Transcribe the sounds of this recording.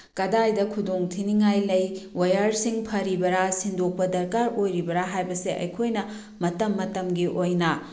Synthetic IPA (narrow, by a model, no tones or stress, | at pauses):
kɐdajdɐkʰudoŋtʰiniŋajlɐjwɐjaɾsiŋpʰɐɾibɐɾasindok̚pɐdɐɾkaɾojɾibɐɾaɦajbɐseʔɐ̰jkʰojnɐ | mɐtɐmːɐtɐmɡiʔojnɐ